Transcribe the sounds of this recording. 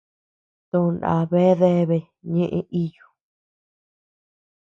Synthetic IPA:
t̪õ˧˨nã̰˨βe˦ðe˦βe˧ | ɲẽ˦ʔẽ˧˦ʔi˦jo˨

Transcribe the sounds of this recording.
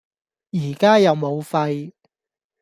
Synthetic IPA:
jiː˨˩kaː˥jɐ˨˧wmo˨˧wfɐ˧j

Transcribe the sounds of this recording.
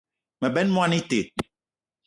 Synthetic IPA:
mɛ˨bɛ˦nmũ˦a˦ni˦t̪e˨t̪̚

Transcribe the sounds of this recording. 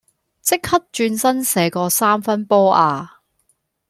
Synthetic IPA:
t͡sɪ˥k̚hɐ˥t̚t͡ʃyː˧nsɐ˥nsɛː˨˧kɔː˧saː˥mfɐ˥npɔː˥ʔaː˨˧

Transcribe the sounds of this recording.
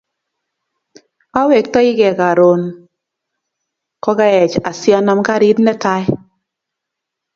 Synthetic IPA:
a˦we˨k̚tɔ˦i˦kɛ˨ka˨ɾo˨n | kɔ˦ka˦ɛ˨t͡ʃa˨sjɔ˦nɔ˦mka˦ɾi˦tnɛ˦ta˦j

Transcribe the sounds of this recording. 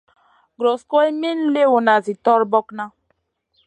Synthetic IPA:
ɡɾɔ˨skɔ˦e˦me˦n̩˦le˦wo˨na˨zi˨tɔ˦ɾbɔ˦kna˦

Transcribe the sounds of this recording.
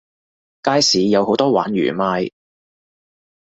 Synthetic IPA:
kaː˥jsiː˨˧jɐ˨˧who˨˥wt̪ɔː˥wa̰ː˨˥nɥy̰ː˨˩maː˧j

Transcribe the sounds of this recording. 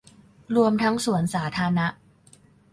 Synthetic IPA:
ɾu˧əmt̪ʰa˦˥ŋsu˨˩˦ənsaː˩˦t̪ʰaː˧˥na˦˥ʔ

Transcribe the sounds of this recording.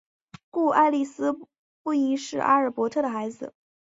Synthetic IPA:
ku˥˩ʔa˥˧ɪli˥˩sɹ̩˥ | pu˥˩i˧˥ŋʂɻ̩˥˩ʔa̰˥ə˞˨˩pwɔ˧˥t̪ʰɤ˥˩d̪ə˩xa˧˥ɪd͡zɹ̩̰˧˦

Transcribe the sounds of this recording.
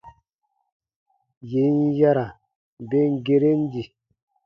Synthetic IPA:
je˨˦nja˦ɾa˨ | be˦ŋ˦ɡe˦ɾe˦n˦di˨

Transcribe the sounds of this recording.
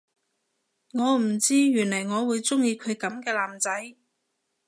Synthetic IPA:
ŋɔː˨˧m̩˨˩t͡siː˥jyː˨˩nlɐ˨˩jŋɔː˨˧wuː˨˧jt͡sʊ˥ŋjiː˧kʰɵ˨˧ɥkɐ˨˥mkɛː˧laː˨mt͡sɐ˨˥j

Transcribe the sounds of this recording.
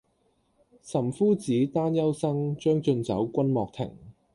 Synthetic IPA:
sɐ˨˩mfuː˥t͡siː˨˥t̪aː˥njɐ˥wsɐ˥ŋt͡ʃœː˥ŋt͡ʃɵ˧nt͡sɐ̰˨˥wkʷɐ˥nmɔː˨k̚t̪ʰɪ̰˨˩ŋ

